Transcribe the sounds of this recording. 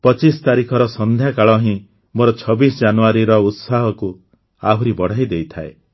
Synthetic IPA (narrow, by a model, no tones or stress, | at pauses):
pɔt͡ʃist̪aɾikʰɔɾɔsɔnd̪ʱjakaɭɔɦĩ | moɾɔt͡ʃʰɔbisɔd͡ʒanuaɾiɾɔut̪saɦɔku | aɦuɾibɔɽ̤ajd̪ejt̪ʰae